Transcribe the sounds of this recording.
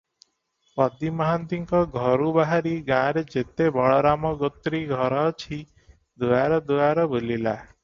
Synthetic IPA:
pɔd̪imɔɦant̪iŋkɔɡʱɔɾubaɦaɾiɡãɾed͡ʒet̪ebɔɭɔɾamɔɡɔt̪ːɾiɡʱɔɾɔt͡ʃʰi | d̪uaɾɔd̪uaɾɔbolila

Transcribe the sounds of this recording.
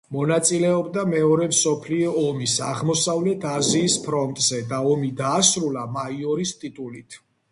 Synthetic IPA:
mɔnat̪sʼilɛɔbd̪amɛɔɾɛmsɔpʰliɔːmisaʁmɔsavlɛt̪ʰaziːspʰɾɔnt̪ʼz̥ɛd̪aɔmid̪aːsɾulamaiɔɾist̪ʼit̪ʼulit̪ʰ

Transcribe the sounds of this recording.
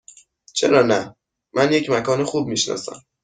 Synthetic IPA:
t͡ʃʰe̞ɾɒːnæ | mænje̞cʰmækʰɒːnexuːb̚miːʃnɒ̰ːsæ̰m

